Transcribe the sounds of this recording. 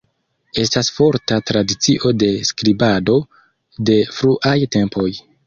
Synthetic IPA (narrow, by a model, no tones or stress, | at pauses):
e̞stasfo̞ɾtatɾadit͡siʔo̞de̞skɾibado̞ | de̞fɾuʔajte̞mpʰo̞j